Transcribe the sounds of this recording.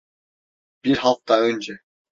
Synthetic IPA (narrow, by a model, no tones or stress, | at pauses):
b̥iɾɦɑlˠq̚t̪ɑønʲd͡ʒɛ